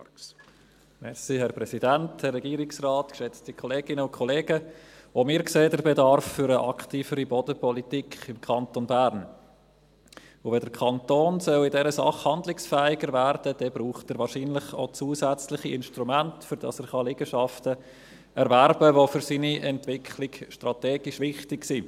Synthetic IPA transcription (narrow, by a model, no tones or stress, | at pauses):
mɛsihɛɾprɛsidænthɛrːɛɡiːɾɪksrɑːtkʃɛt͡stikʰɔleːɡɪnəʊkʰɔleːɡəomɪːɾkseːdəɾbedɑɾfːʏɾəʔɑ̰ktiːfəɾibɔdəpɔlitikχɪmkʰɑntonbæɾn | ʊvɛdəɾkʰɑntoːnsœlɪdɛɾəsɑ̰χhɑndlɪksfɛːɪɡəɾvæɾd̥əd̥ɛbɾuːχtəɾʋɑːɾʃiːnlɪχo̰t͡suːsæt͡slɪχiɪnʃtɾumæntfʏɾd̥ɑ̰sɛːɾχɑlɪɡ̥əʃɑftə | ʔɛɾvæɾb̥əvofʏɾsiːniʔɛntvɪkʰlɪɡʃtrɑteːɡ̥ɪʃʋɪχtɪksi